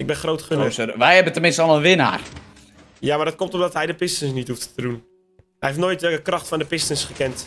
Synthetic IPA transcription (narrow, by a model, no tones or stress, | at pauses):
ɪɡ̚bɛnxrowtχønəʋɛjɛbəntəmɪnstəlˠənʋɪna̰ːr | jamardɔt̚komtɔmdɔtɦɛjdəpɪstənsnithufttədun | ɦɛjɦeftnoːjtʋɛkəkrɔxtfɔndəpɪstənsχəkɛnt